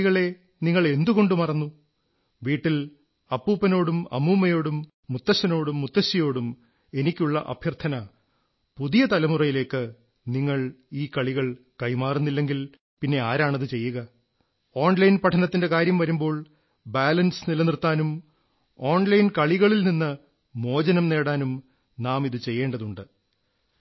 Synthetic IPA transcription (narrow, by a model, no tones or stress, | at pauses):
ɣɐɭe̞ | niŋːɐɭe̞nd̪uɣo̞ɳɖumɐrɐnːu | ʋiːʈːil | ɐpːuːpːɐno̞ːɽumɐ̰muːmːɐjo̞ːɽumː | ut̪ːɐɕɐno̞ːɽumːut̪ːɐɕːɐjo̞ːɽum | e̞nikʲːuɭːɐ̰ʔɐ̰bʱjɐrt̪ʰɐnɐ | puðijɐt̪ɐlɐmurɐjile̞ːkːɨ | niŋːɐɭ | iːkɐɭiɣɐɭ | kɐjmaːrunːilːe̞ŋɡil | pinːe̞aːɾaːɳɐðɨt͡ɕe̞jːuɣɐ | o̞ːɳlɐjnpɐʈʰɐnɐt̪ːinde̞kaːɾjɐmʋɐɾumbo̞ːɭ | baːlɐnsɨnilɐnirt̪ːaːnum | o̞ːɳlɐjnkɐɭiɣɐɭilninːɨ | mo̞ːd͡ʑɐnɐmne̞ːɽaːnum | naːmiðɨt͡ɕe̞jːe̞ːɳɖɐðuɳɖɨ